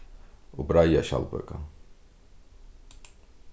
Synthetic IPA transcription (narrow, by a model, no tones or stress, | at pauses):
ubɾajaʃa̰lpɛ̰kʼa